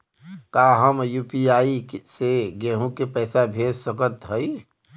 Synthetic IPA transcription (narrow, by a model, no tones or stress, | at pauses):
kaːɦəmjuːpiaːiseɡɛːɦũkepɛːsabʱeːd͡ʒsəkət̪ɦəi